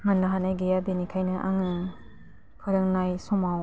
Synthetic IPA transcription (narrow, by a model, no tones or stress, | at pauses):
manːɯɦanajɡejabenikʰajnɯʔa̰ŋɯ | pʰɯɾɯŋnajsɔmaw